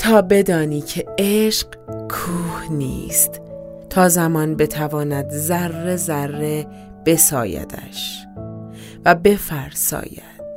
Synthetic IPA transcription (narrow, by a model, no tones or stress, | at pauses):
t̪ʰɒːbe̞d̪ɒːniːcʰe̞eʃq | kʰuːhnḭːst̪ | t̪ʰɒːzæmɒːnbe̞t̪ʰævɒːnæd̪zærːe̞zærːe̞ | b̥e̞sɒ̰ːjæ̰d̪ʰæ̰ʃ | væbe̞fæɾsɒ̰ːjæ̰d̪̥̚